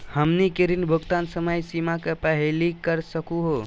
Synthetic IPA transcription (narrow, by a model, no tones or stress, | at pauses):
həmnikeɾinbʱʊɡt̪aːnsəməjsimakepəɦelikəɾsəkuɦo